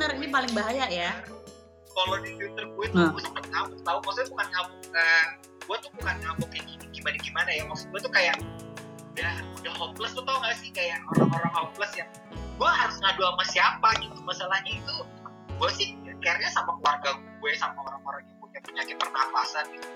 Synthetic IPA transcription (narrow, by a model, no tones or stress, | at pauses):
ənərinipalɪŋbaɦajaʔja | kalodit̪ut̪ərɡuɛt̪̚aɡuasapat̪̚ŋabukt̪aukɔsbukanŋabukan | ɡuat̪uhbukanŋabukakiniɡimadaɡimanajawaksut̪̚ɡuat̪ukajaʔ | dahudahhɔmləst̪ut̪auŋɡasɪhkajaŋo̰ɾa̰ŋoɾaŋhɔpləsja | ɡuaɦaɾʊsŋaduamasiapaɡit̪umasalahɲait̪u | ɡ̥uasɪhakiarɲasampakəlwarɡaɡ | uasamaoɾaŋoɾaŋikutaŋpəɲakɪt̪̚pərnafa̰sanɡit̪u